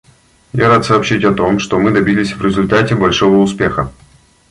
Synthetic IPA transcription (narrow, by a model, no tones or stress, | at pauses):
jaɾat̪sɐːpɕitʲɐt̪o̞mʂt̪omɨd̪ɐbʲilʲɪsʲvɾʲɪzʊlʲt̪atʲɪbɐlʲʂo̞vəʊspʲexə